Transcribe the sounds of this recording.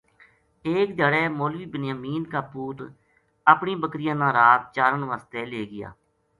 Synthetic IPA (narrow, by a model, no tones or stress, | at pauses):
eːk̚d̪aːɽɛːmoːlʋiːbɪnjaːmiːnkaːpuːt̪ | əpɳĩːbəkɾɪjãːnãːɾaːt̪̚t͡ʃaːɾəɳʋaːst̪eːleːɡɪja̰ː